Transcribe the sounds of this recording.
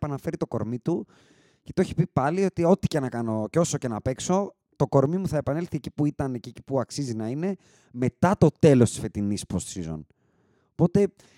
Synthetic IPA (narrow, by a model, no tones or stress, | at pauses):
pɐnɐfe̞ɾit̪o̞ko̞̰ɾmit̪u | ce̞t̪oeçi̥pipɐlio̞t̪io̞t̪i̥cenɐkɐno̞ceo̞so̞ce̞nɐpe̞kso̞ | t̪o̞ko̞ɾmimuθɐe̞pɐnelθiecipuit̪ɐneceeci̥puɐksizinɐine̞ | me̞t̪ɐt̪o̞t̪e̞lo̞st̪i̥sfe̞t̪inispɾost̪sizo̰n | opo̞t̪e̞